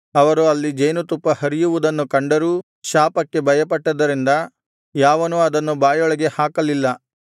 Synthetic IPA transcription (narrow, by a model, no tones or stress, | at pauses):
ɐʋɐɾuɐlːid͡ʒɐjnut̪upːɐhɐɾijuʋud̪ɐnːukɐɳɖɐɾuː | ʃaːpɐkːe̞bɐjɐpɐʈːɐd̪ɐɾind̪ɐ | jaːʋɐnuɐd̪ɐnːubaːjɔɭɐɡe̞haːkɐlilːɐ